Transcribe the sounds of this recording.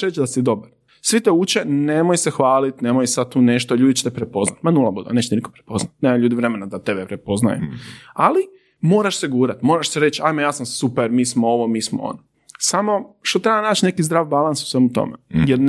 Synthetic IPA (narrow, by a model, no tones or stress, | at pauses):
ʃɾet͡ʃd̪asid̪o̞baɾ | sʋit̪eut͡ʃenemojsexʋaːlit̪ne̞mojsad̪̚t̪uːne̞ʃt̪oʎuːd̪it͡ʃe̥t̪ɛpɾepo̞znat̪manulˠabud̪ḛnet͡ʃt̪iniko̥pɾepo̞znat̪neːmaʎuːd̪iʋɾe̞menad̪at̪e̞bepɾepo̞zna̰jṵali | moːɾaʃseɡuːɾat̪mo̞ːɾaʃseɾe̞t͡ʃajmojaːsamsupeɾmiːsmooʋo̞miːsmoo̰no | samo̞ʃt̪ot̪ɾebanaːt͡ʃne̞kizd̪ɾaːʋbalˠansu̥sʋemut̪o̰mḛjeɾn